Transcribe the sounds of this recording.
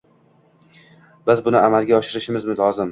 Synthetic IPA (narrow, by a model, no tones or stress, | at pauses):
bɪzbʊnɪamalˠɡʲaɒʃɪɾɪʃɪmɪzmɪlɒzɪm